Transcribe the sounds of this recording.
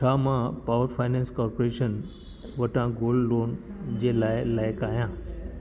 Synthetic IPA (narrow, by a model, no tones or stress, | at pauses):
t͡ʃʰaːmãpaːʋəɾfʰaːɪnɛ̃ːnskɔːɾpoɾeːʃən | ʋɐʈãɡoːlɖloːnd͡ʑeːlaːɪlaːɪkaːɦijãː